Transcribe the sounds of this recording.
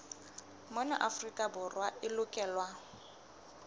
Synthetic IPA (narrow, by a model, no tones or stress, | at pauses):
mɔnaʔafrikʼabʊrwaɪlʊkʼɛːlwa